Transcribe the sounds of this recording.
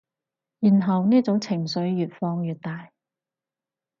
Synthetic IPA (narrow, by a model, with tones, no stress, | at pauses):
jiː˨˩nɦɐ˨wniː˥t͡sʊ˨˥wt͡sʰɪ˨˩ŋsɵ˨˥ɥːyː˨t̚fɔː˧ŋjyː˨˩t̚t̪aː˨j